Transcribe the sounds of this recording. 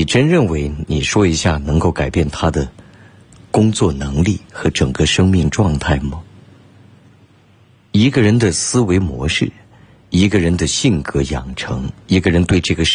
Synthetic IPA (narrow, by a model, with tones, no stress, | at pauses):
i˨˩ʈ͡ʂə˥nɻə˥˩nwe˧˥ɪni˨˩ʂwɔ˥i˧˥ɕja̰˥˩nɤ˧˥ŋko˥˩ʊka˨˩ɪpjɛ˥˩nt̪ʰa˥d̪ə˨ | kʊ˥ŋt͡swɔ˥˩nɤ˧˥ŋli˥˩xɤ˧˥ʈ͡ʂɤ˨˩ŋɡə˧ʂɤ˥ŋmi˥˧ŋʈ͡ʂwɑ˥˧ŋt̪ʰa˥˩ɪmɐ˩ | i˧˥ɡə˧ɻə˧˥nd̪ə˨sɹ̩˥we˧˥ɪmwɔ̰˧˥ʂɻ̩˥˩ | i˧˥ɡə˧ɻə˧˥nd̪ə˧ɕi˥˩ŋkʰɤ˧˥jɑ˨˩ŋʈ͡ʂʰɤ˧˥ŋi˧˥ɡə˧ɻə˧˥nt̪we˥˧ɪʈ͡ʂɤ˥˩ɡə˩